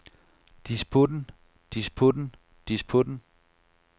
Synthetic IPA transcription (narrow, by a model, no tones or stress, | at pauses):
d̥ispʰod̥n̩ | d̥ispʰod̥n̩ | d̥ispʰod̥n̩